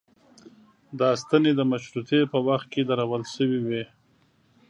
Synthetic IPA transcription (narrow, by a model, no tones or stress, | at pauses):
d̪əːst̪aned̪əmaʃɾut̪epəwaxt̪̚ked̪aɾawəlʃəwiwe